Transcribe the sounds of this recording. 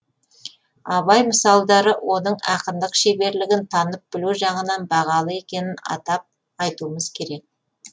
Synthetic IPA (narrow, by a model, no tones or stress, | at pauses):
ɑβɑjməsɑlˠd̪ɑɾəwo̞nəɴɑqənd̪əqʃebe̞ɾlɪɡʲɪnt̪ʰɑnəp̚b̥ɪluʒɑɴənɑnbɑʁɑlˠəe̞kʲe̞nɪnɑ̰t̪ɑp̚ | ɑjt̪uəməzkʲʰe̞ɾe̞k̚